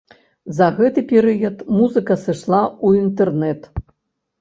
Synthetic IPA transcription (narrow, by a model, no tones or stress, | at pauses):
zɐɣɛt̪ɨpʲɛɾɨjɐt̪muzɨkɐsɨʂlˠauint̪ɛrnɛt̪